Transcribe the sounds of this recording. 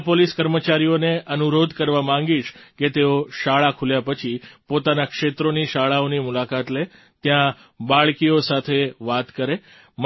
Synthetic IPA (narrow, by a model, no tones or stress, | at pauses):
poliskəɾmət͡ʃaɾijoneʔənuɾod̪ʱkəɾʋamãŋɡiʃket̪eoʃaɭakʰuljapət͡ʃʰipot̪anakʂet̪ɾoniʃaɭaonimulakat̪le | t̪jã | baɭkiosat̪ʰeʋat̪kəɾe | m